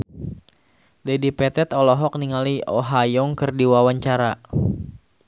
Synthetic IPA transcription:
dedipɛt̪ɛt̪ɔlɔɦɔk̚niŋaliɔɦajɔŋkɨrdiwawaɲt͡ʃaɾa

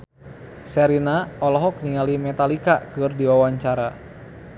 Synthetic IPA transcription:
sɛɾinaɔlɔɦɔk̚niŋalimɛt̪alikakɨrdiwawaɲt͡ʃaɾa

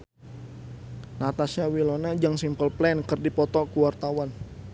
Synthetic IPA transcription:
nat̪asiawilonad͡ʒaŋsimpəlplɛnkərdipɔt̪ɔkuwart̪awan

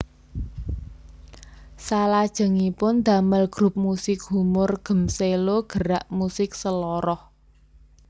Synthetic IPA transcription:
salad̥ʒ̥ə̤ŋipʊnd̪a̤məlɡ̥ɾup̚musɪk̚ɦumʊrɡ̥ə̤mseloɡ̥əɾaʔmusɪk̚səlɔɾɔh

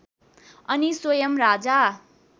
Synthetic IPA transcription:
ʌniswojʌmɾad͡za

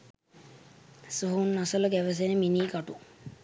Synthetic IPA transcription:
suɦunːasələɡæʋəs̬eneminiːkaʈu

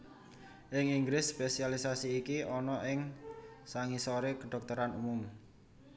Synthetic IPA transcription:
ʔɪŋiŋɡɾɪspesialisasiːkiɔnɔʔɪŋsaŋisɔɾekəɖ̥ɔ̤k̚t̪əɾanumʊm

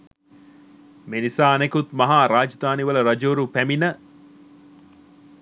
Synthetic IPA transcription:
menisaːɐnekut̪mɐɦaːɾaːd͡ʒɐd̪aːniʋɐlɐɾɐd͡ʒoːɾupæminɐ

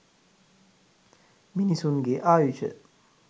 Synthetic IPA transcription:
minisunɡeʔaːjut͡ʃə̰

